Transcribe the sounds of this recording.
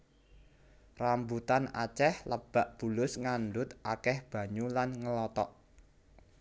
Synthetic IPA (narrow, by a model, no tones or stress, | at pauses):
rambut̪ana̰t͡ʃɛhləb̥a̤ʔb̥ṳlʊsŋanɖʊt̪ʔakɛhb̥ä̤ɲulanŋəlɔt̪ɔʔ